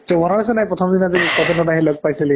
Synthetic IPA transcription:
tɔbɔnaɹasɛnajpɹɔtʰɔmdinazikɔtɛnɔdaɦilɔɡ̚pajsili

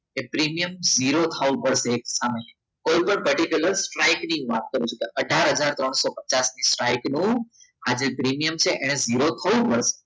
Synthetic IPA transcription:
epɾimijəmziɾot̪ʰaʋũpəɽʃeːksaməj | kojpəɳpəɾʈikjuləɾsʈɾajknĩʋa̰t̪̚kəɾut͡ʃʰukeʔəɖʱaɾɦəd͡ʒaɾt̪ɾɔɳ̃sopət͡ʃasnisʈɾajknũad͡ʒepɾimijəmt͡ʃʰeʔeɽ̃eziɾot̪ʰəʋũpəɽʃe̥

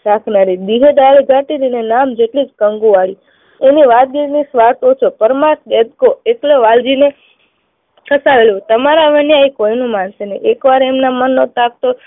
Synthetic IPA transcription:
ɾakʰnaɾid̪iɦeɖaliɡʱaʈiɾinenamd͡ʒeʈlid͡ʒkəŋɡuʋaɭi | eniʋat̪̚ɡiɾnisʋaɾt̪ot͡ʃʰopəɾmat̪ɡed̪̚koekleʋald͡ʒine | kʰəsaʋelot̪əmaɾaʋənjaikoinũmanseneʔekʋaɾemnamənːot̪ak̚t̪o

